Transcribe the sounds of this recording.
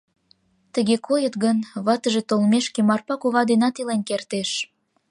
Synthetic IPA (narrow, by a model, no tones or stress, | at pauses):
t̪əɣekojət̪ɣənβɑt̪əʒet̪olmeʃkemɑrpɑkuβɑd̪enɑt̪ilenkert̪eʃ